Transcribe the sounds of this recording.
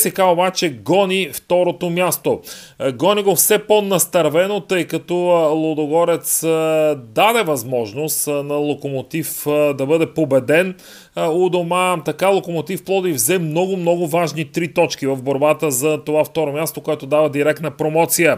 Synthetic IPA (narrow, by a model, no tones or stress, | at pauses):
sɛkaobat͡ʃɛɡɔnʲift̪ɔɾot̪omjast̪o | ɡɔnʲiɡofsɛponɐst̪ɐɾvɛnot̪ɤjkɐt̪ɔlˠod̪oɡɔɾɛt̪s | d̪ad̪ɛvɐzmɔʒnosnɐlˠokomot̪ifd̪ɐbɤd̪ɛpobɛd̪ɛn | od̪omat̪ɐkalˠokomot̪ifplˠɔd̪ivzɛmnɔɡʊmnɔɡʊvaʒnit̪ɾit̪ɔt͡ʃkivɐvboɾbat̪əzɐt̪ovaft̪ɔɾomʲjast̪okoɛt̪od̪avɐd̪iɾɛk̚t̪nəpɾomɔt̪sijə